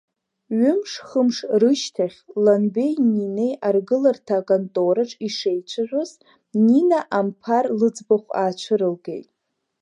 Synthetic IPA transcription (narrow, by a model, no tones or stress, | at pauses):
ɥʏmʂχəmʂrɨʃtʰaχʲlanbe̞jnine̞jʔarɡɨlartʰakʼantʼoɾaʈ͡ʂʼiʂejt͡ʃʷʰaʒʷᶣʊz | ninaʔampʰarlɨd͡zbaχʷaːt͡ʃʷʰɨɾɨlɡe̞̰jtʼ